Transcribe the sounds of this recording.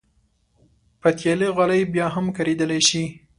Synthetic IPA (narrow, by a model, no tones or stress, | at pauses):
pat̪jeleɣalajbjɑɦamkaɾed̪əlaʃi